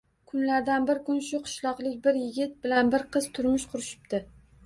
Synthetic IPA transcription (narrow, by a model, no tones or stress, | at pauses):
kʰʊnlaɾd̪anbɪɾkʊnʃʊqʰɨ̥ʃlˠɒqlˠɪk̚ʲbɪɾjɪɡʲɪt̪̚bɪlanbɪɾqʰɨz̥t̪ʰʊɾmɪʃqʰʊɾɪʃɪ̥p̚t̪ɪ